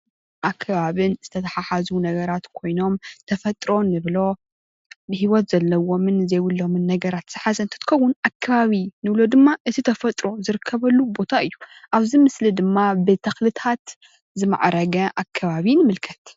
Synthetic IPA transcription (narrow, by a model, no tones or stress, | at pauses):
ʔakʰːɐβaβɨnz̥ɨt̪ʰɐt̪ʰɐħaħazunɐɡɐɾat̪kʰo̞jno̞mt̪ʰɐfɐt̪ʼɾo̞nɨβlo̞ | bɨhiwɔt̪zɐlːɐwo̞mɨnzejwulːo̞mɨnːɐɡɐɾat̪z̥ɨħazɐnt̪ʰɨ̥t̪ɨ̥xɐwːʊnʔakʰːɐβaβinɨβlo̞d̪ɨmːaʔɨt̪ʰit̪ʰɐfɐt̪ʼɾo̞zɨɾɨkʰːɐβɐlːubo̞t̪ʰaʔɨjːu | ʔaβzimɨslid̪ɨmːabɨt̪ʰɐxlɨt̪ʰat̪ | zɨma̰ʕɾɐɡɐʔakʰːɐβaβinɨmɨlkʰɐ̥t̪